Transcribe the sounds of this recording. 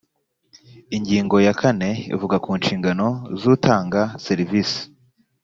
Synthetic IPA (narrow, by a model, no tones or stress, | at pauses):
iɲɟiːŋɡo̞jakʰane̞ḭvuɡakuːnʃiːŋɡano̞zuːtʰaːŋɡaseɾivisi̥